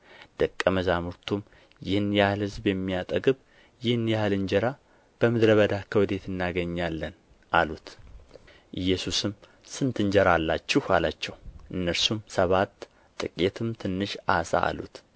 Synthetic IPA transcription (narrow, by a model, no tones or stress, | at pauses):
d̪̥əkʼːəməzamuɾt̪ʰum | jɪhɨnjahlhɨzbjɛmːijat̪ʼəɡɨβ | jɪhɨnjahɨlɨnd͡ʒɛɾa | b̥əmɨd̪ɾəβəd̪akʰəwɨd̪e̞t̪ʰɨnːaɡəɲːalːən | ʔalut̪ | ʔɨjːɛsusɨm | sɨnt̪ɨɲd͡ʒɛɾalːat͡ʃːɪhalat͡ʃːɛwʔɨnːəɾsumsəβat̪ʼː | ɨkʼet̪ʰɨmt̪ʰɨnːɨʃasa̰ʔa̰lṵt̪